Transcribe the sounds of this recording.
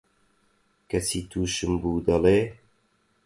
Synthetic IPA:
kʰɐsiːt̪ʰuːʃɨmbuːd̪ɐleː

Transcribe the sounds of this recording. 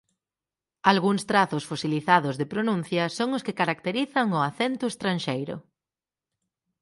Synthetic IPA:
alɣuŋst̪ɾaθʊsfosiliθaðʊzðepɾonũn̟θjɐsoŋʊskɪkaɾak̚t̪eɾiθɐŋʊaθent̪ʊest̪ɾanʃejɾʊ̰

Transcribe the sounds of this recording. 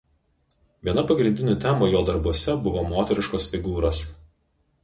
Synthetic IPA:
ʋʲiɛnɐpɐɡɾʲɪnʲd̪ʲɪnʲoːt̪ʲæmoːjoːd̪ɐɾbuɔsʲɛbʊʋoːmoːt̪ʲɛɾʲɪʃkoːsfʲɪɡuːɾoːs

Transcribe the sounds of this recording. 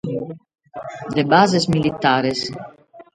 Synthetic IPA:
d̪ebazesmilit̪aːɾes

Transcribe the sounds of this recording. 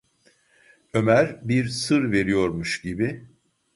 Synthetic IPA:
ø̞mæɾbiɾsɯɾve̞ɾijo̞ɾmuʃɟibi

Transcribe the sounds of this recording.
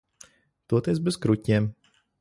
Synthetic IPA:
t̪uɔt̪iɛsbɛzkɾucʲiːm

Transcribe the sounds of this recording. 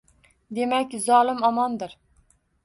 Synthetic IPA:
d̪emɛkʲzɑːlˠɨmɑmɑnd̪ɨɾ

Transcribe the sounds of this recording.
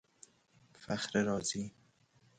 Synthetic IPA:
faχɾeɾɒːziː

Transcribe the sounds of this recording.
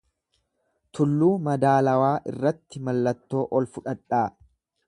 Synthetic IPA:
t̪ʰʊlːuːmɐd̪aːlɐwaːʔɪ̰rːɐt̪ːɪmɐlːɐt̪ːo̞ːʔɔlfʊᶑɐᶑaː

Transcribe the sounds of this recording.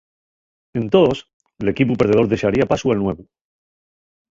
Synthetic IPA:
e̞nt̪os | ele̞kipupe̞ɾðeo̞ɾðe̞seaɾiapasualnwe̞βu

